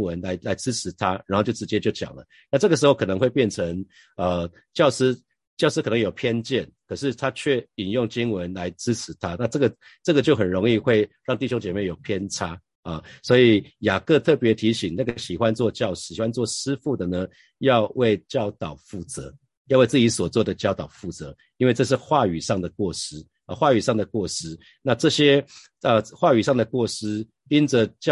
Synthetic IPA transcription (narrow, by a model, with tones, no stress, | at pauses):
wə˧˦nla˧˥ɪla˧˥ɪt͡sɹ̩˥ʈ͡ʂ̩ʰ˧˥t̪ʰa˥ɻa˨nxo˥˧t͡ɕjo˥˩ʊʈ͡ʂɻ̩˧˥t͡ɕjɛ˥t͡ɕjo˥˩ʊt͡ɕjɑ̰˨˩ŋlə̰˦ | na˥˧ʈ͡ʂɤ˥˩ɡə˩ʂ̬ɻ̩˧˥xo˩ʊkʰɤ˨˩nə˧˦ŋxwe˥˧ɪpjɛ˥˨˩nt͡sʰə˧˥ŋ | ə˨ | t͡ɕjɑ˥˩ʊʂɻ̩˥ | t͡ɕjɑ˥˧ʂɻ̩˥kɤ˨˩nə˧ŋjo˨˩ʊpʰjɛ˥˧nt͡ɕjɛ˥˩nkʰə˨˩ʂ̬ɻ̩˥˩t̪ʰa˥t͡ɕʰɥɛ˥˩i˨˩njʊ˥˨˩ŋt͡ɕi˦˥ŋwə˧˦nla˧˥ɪʈ͡ʂɻ̩˥ʈ͡ʂ̩ʰ˧˥t̪ʰa˦na˥˧ʈ͡ʂɤ˥˩ɡə˩ | ʈ͡ʂɤ˥˩ɡə˩t͡ɕjo˥˩ʊxə˨˩nɻo˧˥ŋi˥˧xwe˥˧ɪɻɑ˥˧ŋt̪i˥˩ɕjo˥ŋt͡ɕjɛ˨˩me˥˩ɪjo˨˩ʊpʰjɛ˥nt͡sʰa˥ | ə˨˩swɔ˧˥i˨˩ja˨˩kɤ˥˧t̪ʰɤ˥˩pjɛ˧˥t̪ʰi˧˥ɕi˨˩ŋna˥˩ɡə˩ɕi˨˩xwa˦˥nt͡swɔ˥˧t͡ɕjɑ˥˧ʊʂ̩˥˩i˨˩wa˦nt͡swɔ˥˩ʂɻ̩˥fu˥˩d̪ə˩nə˦ | jɑ˥˧ʊwe˥˧ɪt͡ɕjɑ˥˩ʊt̪ɑ˨˩ʊfu˥˩t͡sɤ̰˧˦ | jʊwe˥˧ɪt͡sɹ̩˥˩t͡ɕi˧˥swɔ˨˩t͡swɔ˥˩d̪ə˩t͡ɕjɑ˥ʊt̪ɑ˨˩ʊfu˥˩t͡sɤ˧˦ | i˥nwe˥˧ʈ͡ʂɤ˥˧ʂ̬ɻ̩˥˧xwa˥˩y˨˩ʂɑ˥˩ŋd̪ə˩kwɔ˥˩ʂɻ̩˥ | ə˧˩xwa˥˩y˨˩ʂɑ˥˩ŋd̪ə˩kwɔ˥˩ʂɻ̩˥ | na˥˧ʈ͡ʂɤ˥˩ɕjɛ˦˥ | ə˨xwa˥˩y˨˩ʂɑ˥˩ŋd̪ə˩kwɔ˥˩ʂɻ̩˥ | i˦nə˨t͡ɕ